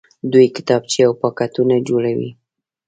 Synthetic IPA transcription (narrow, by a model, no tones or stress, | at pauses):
d̪ujki̥t̪ap̚t͡ʃiawpakat̪uned͡ʒulewḭ